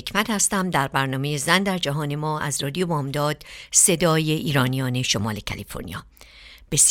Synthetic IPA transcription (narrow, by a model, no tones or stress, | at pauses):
ecʰmæt̪hæst̪æmd̪æɾbæɾnɒːmejezænd̪æɾd͡ʒæɦɒːne̞mɒːʔæzrɒːd̪ijobɒːmd̪ɒːd̪̥se̞d̪ɒːje̞ʔiːɾɒːnijɒːne̞ʃo̞mɒːle̞cʰæ̰liːfo̰ɾnḭɒ̰ː | b̥es